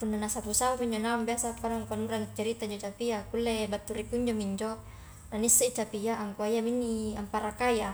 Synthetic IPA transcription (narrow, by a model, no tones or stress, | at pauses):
punːanasapusaapiɲd͡ʒonaumbiasapalaŋkuanuɾant͡ʃaɾit̪aiɲd͡ʒot͡ʃapijakulːebat̪ːuɾikuɲd͡ʒomiɲd͡ʒo | nanisːait͡ʃapiaːŋkuaijaminːiampaɾakaja